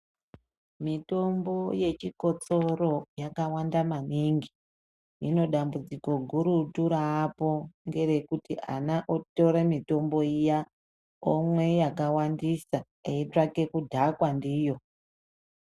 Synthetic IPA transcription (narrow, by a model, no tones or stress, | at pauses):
mito̞mbo̞je̞t͡ʃiko̞t͡soro̞jakawandamaniŋɡi | ino̞ɗambud͡ziko̞ɡʱuɾutuɾaːpo̞ŋɡe̞ɾe̞kutiʔa̰naʔoto̞ɾemito̞mbo̞ija | omwe̞jakawandisa | eitrake̞kudʱakwandiːjo̞